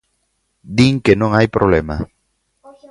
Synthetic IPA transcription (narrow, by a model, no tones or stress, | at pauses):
d̪iŋkenõŋajpɾoβlema